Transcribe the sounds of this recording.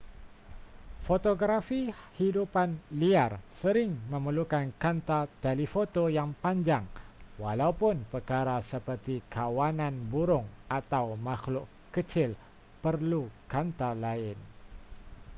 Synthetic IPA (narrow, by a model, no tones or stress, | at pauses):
fot̪oɡɾafihidupanliarsəɾɪŋmə̃məlukankant̪at̪elifot̪ojaŋpaɲd͡ʒaŋwalaupʊnpərkaɾasəpərt̪ikʰawanãnbuɾʊŋat̪awmaxlʊʔ | kət͡ʃɪl | pərlukant̪alaɪn